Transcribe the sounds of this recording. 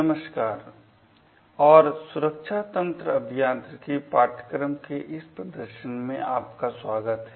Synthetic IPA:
nəməʃkaːɾ | ɔːɾsʊɾəkʃʰat̪ə̃nt̪ɾəɐbʱijaːnt̪ɾəkipaːʈ̪ə̥kɾəmkeʔɪspɾəd̪əɾʃənmẽaːpkaswaːɡət̪ɦɛ

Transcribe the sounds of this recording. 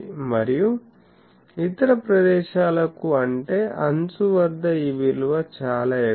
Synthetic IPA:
mɐɾiju | it̪ɐɾɐpɾɐd̪ɛːʃaːlɐkuɐɳʈe̞ːʔɐnt͡suʋɐɾd̪ɐiːʋilʋɐt͡ʃaːlaːe

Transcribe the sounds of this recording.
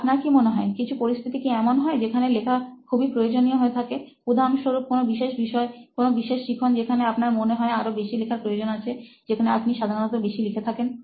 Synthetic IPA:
apnaɾkimoneɦɔekit͡ɕʰupoɾist̪ʰit̪ikiɛmonɦɔed͡ʑekʰanelekʰakʰubipɾojod͡ʑonijoɦoet̪ʰakekud̪ʱamʃoɾuk̚konobiʃeʃbiʃɔekonobiʃeʃːikʰond͡ʑekʰaneapnaɾmoneɦɔeaɾobeʃilekʰaɾpɾojod͡ʑonat͡ɕʰe | d͡ʑekʰaneapniʃad̪ʱaɾonɔt̪obeʃilikʰet̪ʰaken

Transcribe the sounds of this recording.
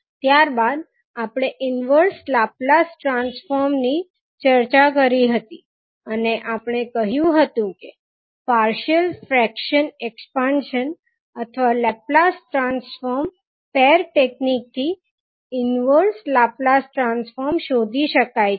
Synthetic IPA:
t̪jaɾbad̪ | apɽ̃eʔɪnʋəɾslaplasʈɾansfoɾmni | t͡ʃəɾt͡ʃakəɾiɦət̪i | əneʔapəɽ̃ekəɦjũɦət̪ũke | paɾʃəlfɾɛkʃənekspanʃən | ət̪ʰəʋalɛp̚lasʈɾansfoɾm | pɛɾʈeknik̚t̪ʰi | ɪnʋəɾslaplasʈɾansfoɾmʃod̪ʱiʃəkaj

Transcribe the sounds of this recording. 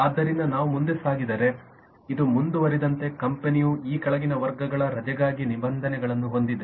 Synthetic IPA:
aːd̪ːɐɾind̪ɐnaːʋumund̪esaːɡid̪ɐɾe̞ | id̪umund̪uʋɐɾid̪ɐnt̪e̞kɐmpenijuiːkɐɭɐɡinɐʋɐɾɡɐɡɐɭɐɾɐd͡ʒɐɡaːɡinibɐnd̪ʱɐnɛɡɐɭɐnːuɦo̞nd̪id̪e

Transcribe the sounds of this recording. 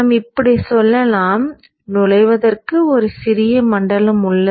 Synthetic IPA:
mɪpːɐɽisɔlːɐlaːm | nʊlɐɪʋɐðɐrkɯɔɾɯsɪɾɪjɐmɐɳɖɐlɐmʊɭːɐ

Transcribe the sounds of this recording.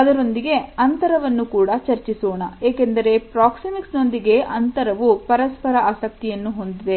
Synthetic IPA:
ɐd̪ɐɾo̞nd̪iɡe̞ɐnt̪ɐɾɐʋɐnːukuːɽɐt͡ʃɐɾt͡ʃisoːɳɐeːkend̪ɐɾe̞pɾaːksimiksno̞nd̪iɡe̞ʔɐnt̪ɐɾɐʋupɐɾɐspɐɾɐaːsɐk̚t̪ijɐnːuɦo̞nd̪id̪e

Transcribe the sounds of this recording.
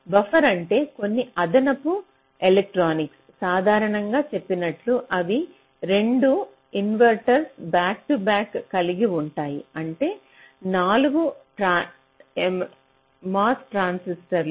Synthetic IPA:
bɐfʰɐɾɐɳʈe̞ːko̞nːiʔɐd̪ɐnɐpu | elek̚ʈɾaːniks | saːd̪ʱaːɾɐɳɐŋɡaːt͡ʃe̞pːinɐʈluʔɐʋi | ɾe̞ɳɖu | inʋɐɾʈɐɾsbaːk̚ʈubaːkːɐliɡiuɳʈaːjḭɐɳʈe̞ː | naːluɡuʈɾa | maːsʈɾaːnsisʈɐɾl

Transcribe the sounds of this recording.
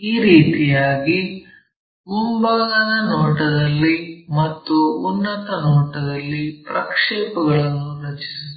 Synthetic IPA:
iːɾiːt̪ijaːɡi | mumbaːɡɐnɐnɔːʈɐd̪ɐlːimɐt̪ːuːnːɐt̪ɐnɔːʈɐd̪ɐlːipɾɐkʂɛːpɐɡɐɭɐnːuɾɐt͡ʃi̥si

